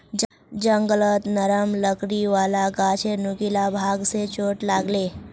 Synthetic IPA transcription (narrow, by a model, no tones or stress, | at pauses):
d͡ʒə̃ŋɡələt̪nəɾəmləkɽiʋaːlaɡaːt͡ʃʰenʊkilabʱaːɡset͡ʃoːʈlaːɡleː